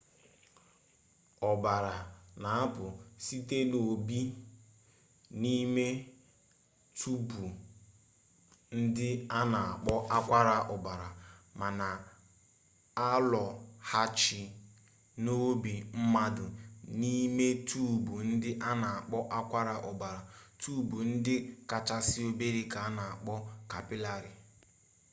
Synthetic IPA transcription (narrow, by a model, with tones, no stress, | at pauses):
ɔ˨ba˨ɾa˨na˨a˦pʊ˨si˦te˦no˨bi˦ | ni˦me˦ | tʰu˦bu˨ | n̩˦dɪ˦a˦na˨a˨k͡pɔ˦ʔa˦kʷa˦ɾa˨ʔɔ˨ba˨ɾa˨ma˨na˨ | a˦lɔ˨ha˦t͡ʃɪ˨ | no˦bi˨m̩˦ma˦dʊ˨ni˦me˦tʰu˦˨bu˨n̩˦dɪ˦ʔa˦na˨a˨k͡pɔ˦ʔa˦kʷa˦ɾa˨ʔʊ˨ba˨ɾa˨tu˦˨bu˨n̩˦dɪ˦ka˨t͡ʃa˦sɪ˦o˦be˦ɾi˦ka˨a˦na˨a˨k͡pɔ˦ka˨pɪ˦la˨ɾɪ˨